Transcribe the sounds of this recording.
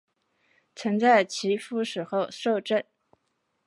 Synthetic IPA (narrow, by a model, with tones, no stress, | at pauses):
t͡sʰə˧˥ŋt͡sa˥˩ɪt͡ɕʰi˧˥fu˥ʂɻ̩˨˩xo˥˧ʊʂo˥˧ʊʈ͡ʂə˥˩n